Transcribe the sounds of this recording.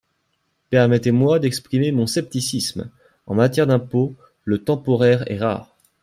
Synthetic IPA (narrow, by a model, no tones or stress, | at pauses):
pɛʁmɛt̪emwad̪ɛkspχimemɔ̃sɛp̚t̪isism | ɑ̰̃mat̪jɛʁd̪ɛ̃po | lət̪ɑ̃pɔʁɛʁɛ̰ʁa̰ːʁ